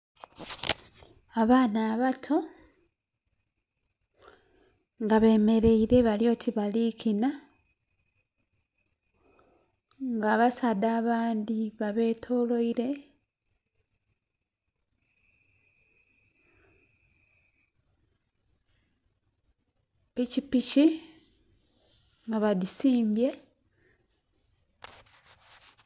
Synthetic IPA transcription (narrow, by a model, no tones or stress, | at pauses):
aβaːnaːβatʰo̞ | ŋɡaβe̞ːme̞ɾe̞iɾe̞βaljo̞ːtiβalikina | ŋɡaːβasadaːβaːnd̪iβaβe̞ːtʰo̞ːlo̞iɾe̞ | picipici | ŋɡaβadisiːmbje̞